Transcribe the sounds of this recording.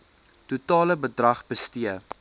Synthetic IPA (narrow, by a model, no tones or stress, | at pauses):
tutɑːləbədrɐχbəstiə